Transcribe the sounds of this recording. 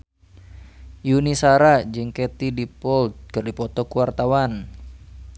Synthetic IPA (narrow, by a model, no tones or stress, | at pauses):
junisaɾad͡ʒɨŋkɛt̪idipɔlt̪̚kɨrdipɔt̪ɔkuwart̪awan